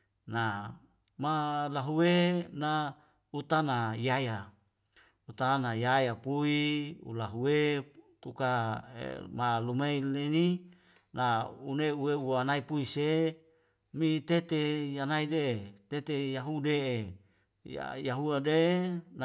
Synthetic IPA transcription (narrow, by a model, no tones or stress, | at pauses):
na | malaɦuwena | ut̪anajaja | ut̪anajajapuiṵlaɦuwet̪ukaḛmalumeileni | nauneuweuanaipuise | mit̪et̪ejanaidet̪et̪ejaɦudee | a̰jaɦuaden